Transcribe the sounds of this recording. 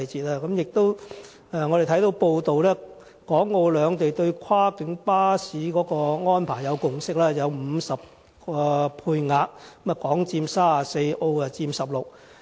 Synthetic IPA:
t͡siː˨t̚aː˧kɐ˨˥mjɪ˨k̚t̪o˥w | ɛ˨˧ŋɔː˨˧ɾe˨˩t̪ʰjt̪o˨˧wpo˧wt̪o˨wlɛː˥ | kɔː˨˥ŋːo˧wlœː˨˧ŋt̪e˨jt̪ɵ˧ɥkʷʰwaː˥kɪ˨˥ŋpaː˥siː˨˥kɔː˨˥kɔː˧ŋɔː˥npʰaː˨˩jɐ˨˧wkʊ˨ŋsɪ˥k̚lɛː˥jɐ˨˧wm̩˨˧sɐ˨p̚ | kɔː˧pʰuː˧jŋaː˨˧˨mɐ˨˩kɔː˨˥ŋt͡siː˧msaː˥a˨˩se˧jo˧wɐ˨t͡siː˧msɐ˨p̚lʊ˨k̚

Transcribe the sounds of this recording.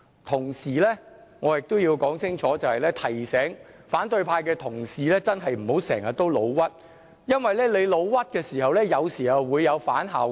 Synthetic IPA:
t̪ʰʊ˨˩ŋsiː˨˩lɛː˥ŋɔː˨˧jɪ˨k̚t̪o˥wjiː˧wkɔː˨˥ŋsɪ˥ŋt͡ʃʰɔː˨˥t͡sɐ˨whɐ˨jlɛː˥t̪ʰɐ˨˩jsɛː˨˥ŋfaː˨˥nt̪ɵ˧ɥpʰaː˧jkɛː˧t̪ʰʊ˨˩ŋsiː˨lɛː˥t͡sɐ˥nɦɐ˨jm̩˨˩ho˨˥wsɛː˨˩ŋjɐ˨t̚t̪o˥wlo˨˧wwɐ˥t̚ | jɐ˥nwɐ˨jlɛː˥le˨˧jlo˨˧wwɐ˥t̚kɛː˧siː˨˩hɐ˨wlɛː˥jɐ˨˧wsiː˨˩hɐ˨wwuː˨˧jːɐ˨˧wfa̰ː˨˥nɦa̰ː˨w

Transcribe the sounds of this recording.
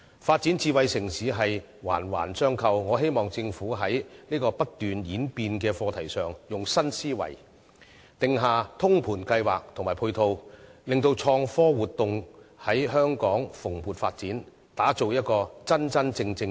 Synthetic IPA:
faː˧t̚t͡siː˨˥nt͡siː˧wɐ˨˧jsɪ˨˩ŋsiː˨˥ɦɐ˨j | wa̰ː˨˩nwa̰ː˨˩nsœː˥ŋkʰɐ˧wŋɔː˨˧ɦe˥jmɔː˨ŋt͡sɪ˧ŋfuː˨˥ɦɐ˨˥jniː˥kɔː˧pɐ˥t̚t̪yː˨njiː˨˥npiː˧nkɛː˧fɔː˧t̪ʰɐ˨˩jsœː˨ŋjʊ˨ŋsɐ˥nsiː˥wɐ̰˨˩j | t̪ɪ˨ŋɦaː˨t̪ʰʊ˥ŋpʰuː˨˩nkɐ˧jwaː˨k̚t̪ʰʊ˨˩ŋmaː˨˩pʰu˧jt̪ʰo˧wlɪ˨ŋt̪o˧wt͡ʃʰɔː˧ŋfɔː˥wuː˨t̚t̪ʊ˨ŋhɐ˨˥jɦœː˥ŋkɔː˨˥ŋfʊ˨˩ŋpuː˨t̚faː˧t̚t͡siː˨˥n | t̪aː˨˥t͡so˨wjɐ˥t̚kɔː˧t͡sɐ˥nt͡sɐ˥nt͡sɪ˧ŋt͡sɪ˧ŋ

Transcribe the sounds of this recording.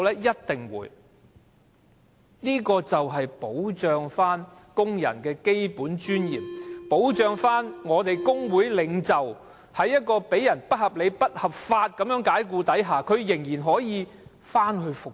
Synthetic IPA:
lɛː˥jɐ˥t̚t̪ɪ˨ŋwṵː˨˧˥j | niː˥kɔː˧t͡sɐ˨wɦɐ˨jpo˨˥wt͡ʃœː˨ŋfaː˥nkʊ˥ŋjɐ̰˨˩nkɛː˧ke˥jpuː˨˥nt͡ʃyː˥njḭː˨mpo˨˥wt͡ʃœː˧ŋfaː˥nŋɔː˨˧t̪e˨jkʊ˥ŋwuː˨˥jlɪ˨˧˥ŋt͡sɐ˨w | hɐ˨jːɐ˥t̚kɔː˧pe˨˥jɐ˨˩npɐ˥t̚hɐ˨p̚le˨˧jpɐ˥t̚hɐ˨p̚faː˧t̚kɐ˨˥mjœː˨˥ŋkaː˨˥jk̬uː˧t̪ɐ˨˥jɦaː˨˩kʰɵ˨˧ɥjɪ˨˩ŋjiː˨˩nɦɔː˨˥jiː˨˧ | faː˥nɦɵ˧ɥfʊ˨k̚

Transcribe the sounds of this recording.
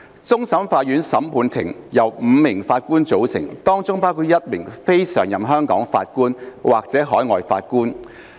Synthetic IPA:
t͡sʊ˥ŋsɐ˨˥mfaː˧t̚ɥyː˨˥nsɐ˨˥mpʰuː˨˧nt̪ʰɪ̰˨˩ŋjɐ˨wm̩ː˨˧mɪ˨˩ŋfaː˧t̚kuː˥nt͡so˨˥wsɪ˨˩ŋt̪ɔː˥ŋt͡sʊ˥ŋpaː˥wkʰuː˧t̚jɐ˥t̚mɪ˨˩ŋfe˥jsœː˨˩ŋjɐ˨mɦœː˥ŋkɔː˨˥ŋfaː˧t̚kuː˥nwaː˨˩k̚t͡sɛː˨˥ɦɔː˨˥jŋɔ̰ː˨˧jfa̰ː˧t̚kuː˥n

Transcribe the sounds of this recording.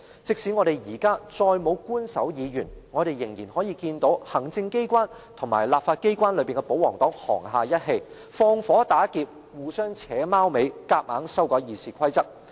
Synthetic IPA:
t͡sɪ˨k̚si˨˥ŋɔ˨˧ɾe˨jjiː˨˩kaː˥t͡sɔː˧jmo˨˧wkuː˥nsɐ˨˥wjiː˨˧jyː˨˩nŋɔː˨˧ɾe˨jːɪ˨˩ŋjiː˨˩nɦɔː˨˥jiː˧kiː˧nt̪o˨˥whɐ˨˩ŋt͡sɪ˧ŋke˥jkʷaː˥n | t̪ʰʊ˨˩ŋmaː˨˩jlaː˨p̚faː˧t̚ke˥jkʷaː˥nlɵ˨˧piː˨˩ŋkɛ˧po˨˥wɔː˨˩ŋt̪ɔː˨˥ŋhɔː˨˩ŋɦaː˨˧jɐ˥t̚ɦe˧j | fɔː˧ŋfɔː˨˥t̪aː˨˥kiː˧p̚ | wuː˨sœː˥ŋt͡sʰɛː˨˥maː˥wme˨˧jkaː˧k̚maː˨˥ŋsɐ˥wkɔː˨˧˥jiː˨siː˨kʷʰɐ˥jt͡sɐ˥k̚

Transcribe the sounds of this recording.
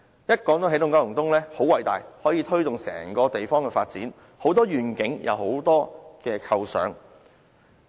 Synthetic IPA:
jɐ˥t̚kɔː˨˥ŋt̪o˧wɦe˨˥jlʊ˨ŋkaː˥˩jʊ˨˩ŋt̪ʊ˥ŋlɛː˥ho˨˥wɐ˨˩jt̪a̰ː˨˩jhɔː˨˥jiː˨˧t̪ʰɵ˥ɥt̪ʊ˨ŋsɛ̰ː˨˩ŋkɔː˧t̪e˨jfɔː˥ŋkɛː˧faː˧t̚t͡siː˨˥n | ho˨˥wt̪ɔː˥ɥyː˨˩nkɪ˨˥ŋjʔɐ̰˨˧who˨˥wt̪ɔː˥kɛː˧kʰɐ˧wsœ̰ː˨˥ŋ

